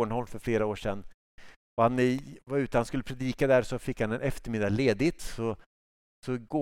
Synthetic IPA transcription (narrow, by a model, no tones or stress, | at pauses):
ɳhɔlːfœɾfleːɾaoːʂɛnː | ɔhanvaɾʉ̟ːt̪əhanskɵlːəpʰɾɛd̪iːkad̪æɾsɔfɪkhanɛnʔɛft̪əɾmɪd̪ːaleːd̪ɪt̪sɔ | sɔɡoː